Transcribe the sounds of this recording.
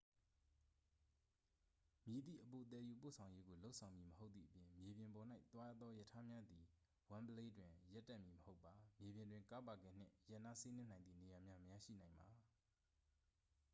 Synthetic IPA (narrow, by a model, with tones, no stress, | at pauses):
mji˨d̪ḭ˦˨ʔəpo˨t̪ɛ˨ju˨p̬o̰˦˨sʰã˨ʊ̃je˦ɡo˨lo˦ʊʔsʰã˨ʊ̃mji˨məho˦ʊt̪ːḭ˦˨ʔəpjɪ̃˨mje˨bjɪ̃˨mbɔ˨n̥a˦ɪʔt̪wa˦a˦˨t̪ðɔ˦jə˨tʰa˦mja˦d̪i˨ | wã˦mbə˦le˦dwɪ̃˨ja˦tːa˦ʔmji˨məho˦ʊpːa˨mje˨bjɪ̃˨ndwɪ̃˨ŋka˦pa˨ɡɛ̰˦˨n̥ɪ̰̃˦˨ja˦ʔna˦si˦nɪ̃˦nã˨nðḭ˦˨ne˨ja˨mja˦məja˦˨ʃḭ˦˨n̥ã˨ɪ̃mba˨